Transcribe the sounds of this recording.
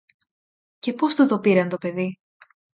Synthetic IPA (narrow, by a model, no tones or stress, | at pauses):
ce̞po̞st̪ut̪o̞piɾɐnt̪o̞pe̞ði